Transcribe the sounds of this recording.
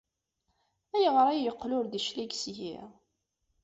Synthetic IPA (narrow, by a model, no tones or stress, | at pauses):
æjəʁɾˤajjəqːlʊɾðəʃlæɡsʝḭ